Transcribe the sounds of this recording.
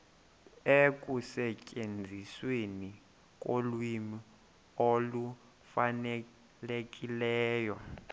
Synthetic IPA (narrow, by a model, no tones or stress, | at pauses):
ekʼusɛcʼend͡zʱisweni | kʼolwimi | olu | fane | lekʼilɛːjɔ